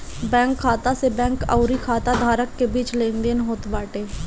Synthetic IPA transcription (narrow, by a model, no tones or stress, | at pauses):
bɛ̃ːŋkʰːaːt̪aːseːbɛ̃ːŋka̰ʊɾiːkʰaːt̪aːd̪ʱaːɾəkːeːbiːt͡ʃlẽːnd̪eːnɦoːt̪baːʈeː